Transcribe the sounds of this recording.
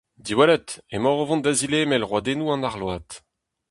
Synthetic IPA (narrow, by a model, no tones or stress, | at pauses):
d̪iwalɛt̪emɔʁovɔ̃nd̪azileːmɛlʁwad̪enuːɑ̃naʁlwaːt̪